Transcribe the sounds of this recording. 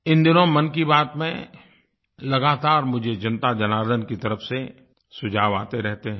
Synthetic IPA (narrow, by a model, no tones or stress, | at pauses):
ɪ̃nd̪ɪnõmɐnkibaːt̪mẽ | lɐɡaːt̪aːɾmʊd͡ʒʱed͡ʒɐ̃nt̪ad͡ʒɐnaːɾd̪ənkit̪ɐɾəfse | sʊd͡ʒʱaːʋaːt̪eɾɛɦt̪eɦɛ̃